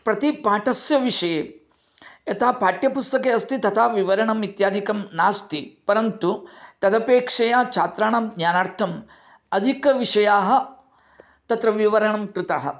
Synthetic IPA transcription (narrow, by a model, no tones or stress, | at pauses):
pɾɐt̪ipaːʈɐsjɐʋiʂɐjeː | ɐt̪ʰaːpaːʈjɐpust̪ɐkeːɐst̪it̪ɐt̪ʰaːʋiʋɐɾɐɳɐmit̪jaːd̪ʱikɐmnaːst̪ipɐɾɐnt̪ut̪ɐd̪ɐpeːkʂɐjaːt͡ʃʰaːt̪ɾaːɳɐmɡ̪njaːnaːɾt̪ʰɐm | ɐd̪ʱikɐʋiʂɐjaːɦɐ̆ | t̪ɐt̪ɾɐʋiʋɐɾɐɳɐmkɾɪt̪aːɦɐ̰